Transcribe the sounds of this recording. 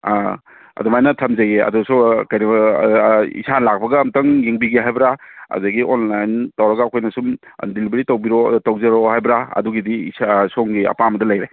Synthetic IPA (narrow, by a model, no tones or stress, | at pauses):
a | ɐ̰dumajnɐtʰɐmzajeɐ̰dusukajnɐ | ḭsanlak̚bɐɡɐːmtɐŋjeŋbiɡiɦajbɾaɐ̰zaɡiʔonlajntawɾɐɡaːkʰojnɐsum̰ | dilibeɾitawbiɾotawzeɾohajbɾaɐ̰duɡidiisasoŋɡiɐ̰pamɐdɐlɐjɾe